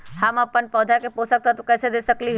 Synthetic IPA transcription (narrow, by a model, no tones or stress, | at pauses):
həmɐpːənpɔːd̪ʱakepoːsək̚t̪at̪ukɛːsed̪eːsəkliɦ